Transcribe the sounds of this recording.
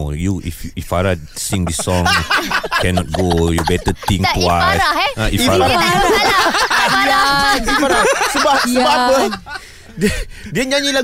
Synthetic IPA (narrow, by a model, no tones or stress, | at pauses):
juḭfifaɾa | sĩŋdisɔ̃ŋkɛnɔt̚ɡojɔbɛt̪ət̪ĩŋtwaaiiaaɾa | laifaɾasəbahsəbapə | ddiəɲãɲila